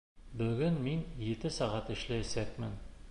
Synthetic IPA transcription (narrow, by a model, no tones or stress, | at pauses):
bɵ̆ɡɘnminjɘt̪ɘsɑʁɑt̪ɘ̆ʃlææsækmɘn